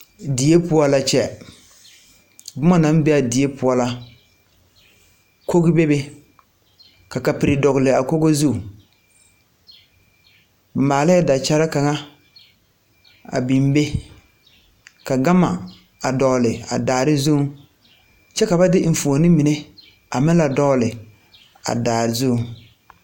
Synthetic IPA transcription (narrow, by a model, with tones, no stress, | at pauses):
di˨je˦pʊ˦ɔ˦la˨t͡ʃɛ˦˨ | bʊ˦ma˦na˦m˦be˦a˨di˨e˦pʊ˦ɔ˦la˦ | ko˦ɣɪ˦be˦be˦ | ka˨ka˨pɪ˨ɾɪ˨dɔ˨ɣɪ˨lɪ˨a˨ko˦ɡo˦zu˦˨ | ba˨maː˨la˦da˨t͡ʃa˦ɾa˦ka˨ŋa˦ | a̰˨bi˨m˦be˦ | ka˨ɡa˦ma̰˨ | a˨dɔ˨lɪ˨a̰˨daː˨ɾɪ˦zu˦ŋ | t͡ʃɛ˦ka˨ba˦dɪ˦ɱ̩˨fu˨o˨nɪ˦mi˨ne˦ | a˨mɪ˦la˨dɔ˦lɪ˨ | a̰˨daː˨ɾɪ˨zu˦˨ŋ